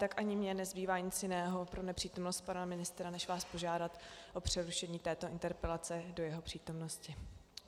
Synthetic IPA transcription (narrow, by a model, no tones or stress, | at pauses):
t̪akʔaɲɪmɲɛnɛzbiːvaːɲɪt͡sjɪnɛːɦo̞pɾo̞nɛpr̥iːt̪o̞mno̞st̪̚panamɪnɪst̪ɾanɛʃvaːspo̞ʒaːdat̪ʔo̞pr̝̥ɛɾuʃɛɲiːt̪ɛːt̪o̞ʔɪnt̪ɛɾpɛlat͡sɛdo̞jɛɦo̞pr̥iːt̪o̞mno̞scɪ